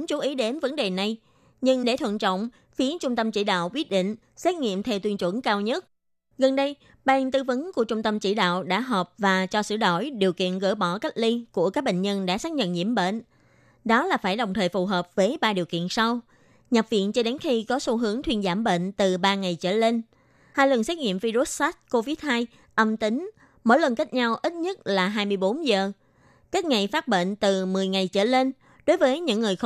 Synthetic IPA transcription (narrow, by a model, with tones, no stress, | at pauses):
ŋ͡mt͡ɕu˨˦ʔi˨˦ɗe˨˦nvə˨˦nɗe˨˩na˨˩j | ɲɨ˧ŋɗe˧˩t̪ʰə̰˧˨nt͡ɕɔ̰˧˨wŋ͡m | fi˨˦ət͡ɕʊ˧ŋ͡mt̪ə˧mt͡ɕḭ˧˩ɗa̰ː˧˨wkwi˦˥ət̚ɗḭ̈˧˨ŋ̟ | sɛ˦˥t̚ŋḭ˧˨əmt̪ʰɛ˧wt̪wi˧ənt͡ɕwə˧˩nkaː˧wɲə˦˥t̚ | ɣə˨˩nɗə˧j | ɓaː˨˩ŋt̪ɨ˧və˨˦nku˧˩ət͡ɕʊ˧ŋ͡mt̪ə˧mt͡ɕḭ˧˩ɗa̰ː˧˨wɗa̰ː˧˥ɦɔː˨˩p̚vaː˨˩t͡ɕɔ˧sɨ̰˧˩ɗo˧˩jɗi˨˩əwkḭ˧˨ənɣə̰˧˩jɓɔ˧˩ka˦˥k̚li˧ku˧˩əkaː˦˥k̚ɓḛ˧˨ŋ̟ɲə˧nɗa̰ː˧˥saː˦˥t̚ɲə̰˧˨nɲḭ˧˩əmɓḛ˧˨n | ɗɔ˨˦laː˨˩faː˧˩jɗə˨˩wŋ͡mt̪ʰəː˨˩jfu˨˩ɦəː˨˩p̚vəː˨˦jɓaː˧ɗi˨˩əwkḭ˧˨ənsa˧w | ɲə˨˩p̚vḭ˧˨ənt͡ɕɔ˧ɗe˨˦nxi˧kɔ˨˦so˨˦ɦɨ˨˦əŋt̪ʰwi˧ənzaː˧˩mɓḛ˧˨nt̪ɨ˨˩ɓaː˧ŋa˨˩jt͡ɕə̰ː˧˩le˧n | haː˧jlwə˨˩nswɛ˦˥t̚ŋḭ˧˨əmvi˧zu˦˥t̚sa˦˥t̚ko˧vi˦˥t̚haː˧j | ʔə˧mt̪i˨˦ŋ̟ | mo̰˧˥˦jlə˨˩nka˦˥k̚ɲa˧wʔi˦˥t̚ɲə˦˥t̚laː˨˩ɦaː˧jmɨ˧əjɓo˨˦nzəː˨˩ | ka˦˥tk̚ŋa˨˩jfaː˦˥t̚ɓḛ˧˨nt̪ɨ˨˩mɨ˨˩əjŋa˨˩jt͡ɕə̰ː˧˩le˧n | ɗo˨˦jvəː˨˦jɲɨ̰˧˥ŋːɨ˨˩əj